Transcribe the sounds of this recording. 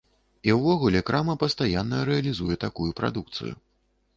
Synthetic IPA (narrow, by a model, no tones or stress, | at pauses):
iwvɔɣulʲɛkɾamɐpɐst̪ajanːɐɾɛɐlʲizujɛt̪akujupɾʔa̰d̪uk̚t̪sɨ̰jṵ